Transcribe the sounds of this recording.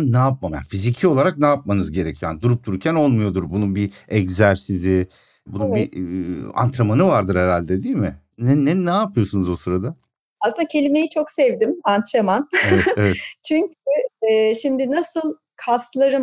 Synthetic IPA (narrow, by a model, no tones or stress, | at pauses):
naːp̚mamja̰nfizicʰio̞lˠaɾak̚naːp̚manɯzɟe̞ɾecʰijoanid̪uɾup̚t̪ʰuɾuɾcʰæno̞lˠmujo̞d̪uɾbununbiɛɟzæɾsizi | bununbi | a̰nt̪ɾamanɯvaɾd̪ɯɾheɾalʲd̪ɛd̪iːmɪ | nɛnɛnːaːpʰɯjo̞sunuzosɯɾad̪a | asɯnd̪acʰe̞lʲime̞jit͡ʃʰo̞ksɛvd̪imant̪ʰɾamaneɛevɛt̪t͡ʃʰyɲcʰyːʃimd̪ɪnasɯlˠ | kʰaslˠaɾɯm